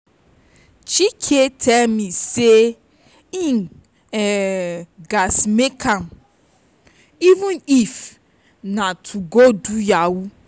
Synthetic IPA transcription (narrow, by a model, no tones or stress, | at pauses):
t͡ʃikʰetʰɛlmise | ĩn | ɛ | ɡasmekʰãm | ivũnif | natʰuɡodujawu